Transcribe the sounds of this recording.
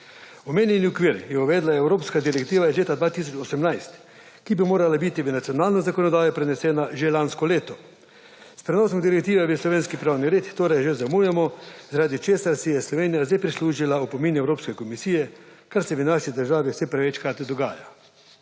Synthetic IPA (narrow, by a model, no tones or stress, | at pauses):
ɔmeːnjɛniɔkʋiːɾjɛuʋɛːd̪laɛwɾoːpskad̪iɾɛkt̪iːʋajɛzleːt̪ad̪ʋaːt̪is̬ɔt͡ʃɔsɛmnajst̪ | kibimoːɾalabit̪iʋənat̪sijɔnaːlnɛzakɔnɔd̪aːjɛpɾɛnɛsɛːnaʒelanskɔleːt̪ɔ | spɾɛnɔːsɔmd̪iɾɛkt̪iːʋɛʋəslɔʋeːnskipɾaːwniɾeːt̪t̪oːɾɛjʒezamujɛmɔzaɾaːd̪it͡ʃeːsaɾsɛjɛslɔʋeːnijazd̪ajpɾisluːʒilaupɔminɛwɾoːpskɛkɔmisiːjɛkaɾsɛʋənaʃid̪əɾʒaːʋiwsɛpɾɛʋɛt͡ʃkɾaːt̪id̪ɔɡaːja